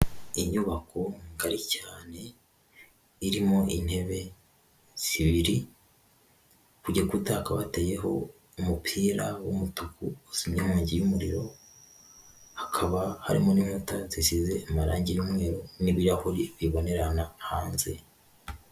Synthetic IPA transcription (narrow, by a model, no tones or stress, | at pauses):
iɲuβakʰo̞ŋɡaɾicaːne̞ | iɾimo̞ʔin̥he̞βe̞ | z̥iβiɾi | kuɟakutahakaβateje̞ɦo̞̰ | umupʰiːɾawumutukuosimɲihuːɲɟijumuɾiɾo̞ | hakʰaβaha̰ɾimo̞nimutazisize̞ːmaɾaːɲɟijumŋe̞ːɾoniβiɾahuɾiβiβo̞ne̞ɾanahaːnze̞̰